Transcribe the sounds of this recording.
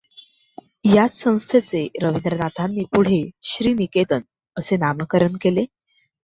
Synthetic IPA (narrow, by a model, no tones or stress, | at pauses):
jat͡ssə̃w̃st̪ʰet͡seɾəʋind̪ɾənat̪ʰanːiːpuɽ̤eɕɾiːniket̪ən | əsenaməkəɾəɳkele